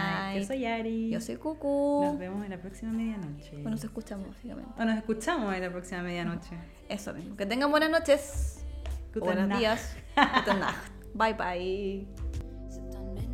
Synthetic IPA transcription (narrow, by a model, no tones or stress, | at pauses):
ajesojaɾijosojkukuβemoselapɾoksimameðjanot͡ʃeonoseskut͡ʃamozβasika̰mḛnt̪onosehkut͡ʃamoselapɾoksimameðjanot͡ʃe | esomismoket̪̬eŋɡambwenasnot͡ʃes | ub̪enozðias | t̪ut̪ena̰xt̪̚ | bajpaai